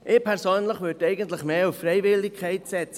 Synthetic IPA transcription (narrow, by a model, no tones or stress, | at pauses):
ʔɪːpʰɛɾsøːnləχʋøɾdɛɪɡəntləχmeːufːɾɛɪvɪlːɪkʰːɛɪtsɛt͡s